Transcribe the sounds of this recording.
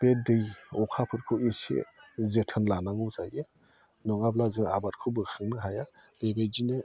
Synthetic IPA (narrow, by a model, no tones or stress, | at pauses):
bedɯjɔkʰapʰɯtkʰɯisḛzetʰənlanaŋuzaje | nɔŋablazɯŋa̰bat̚kʰɯbɯsɯŋnɯɦajaleɡejd͡ʒinɯ